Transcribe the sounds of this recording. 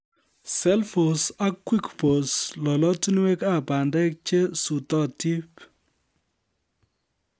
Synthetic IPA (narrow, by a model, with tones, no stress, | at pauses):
sɛ˦lfo˨sa˦kwi˦kbo˨slɔ˨lɔ˦ti˦n˦we˦ka˦ba˨ndɛ˦k̚t͡ʃe˦su˨tɔ˦ti˦p